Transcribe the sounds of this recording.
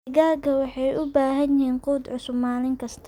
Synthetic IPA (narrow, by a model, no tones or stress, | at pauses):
ɡaːkʰɐwɑħɑjʔʊbaːɦɐnjɪhiːnquːd̪ʕʊsʊbmaːlɪŋkʰɐst̪ʰ